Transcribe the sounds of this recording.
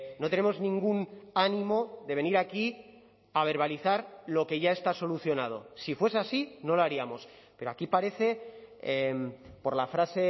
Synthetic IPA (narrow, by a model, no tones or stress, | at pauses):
not̪ene̞mo̞znĩŋɡunanĩmo̞ðe̞β̞e̞niɾaki | aβ̞e̞ɾβ̞aliθaɾlo̞ke̞ʝae̞st̪aso̞luθjo̞nað̞o̞̰sifwe̞seasino̞loaɾiamo̞s | pe̞ɾoakipaɾe̞θe̞empo̞ɾlafɾase̞